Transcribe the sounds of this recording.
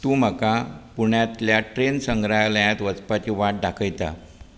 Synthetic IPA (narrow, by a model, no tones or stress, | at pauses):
t̪uːm̤əkapuɳjat̪ljaʈɾensəŋɡɾaləjãt̪ʋət͡spat͡ɕiːʋaʈ̚ɖakʰəjt̪a̰